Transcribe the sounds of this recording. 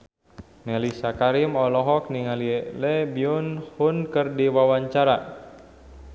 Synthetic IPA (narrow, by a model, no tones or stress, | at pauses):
nɛlisakaɾimɔlɔɦɔk̚niŋalielɛbiunhunkərdiwawaɲt͡ʃaɾa̰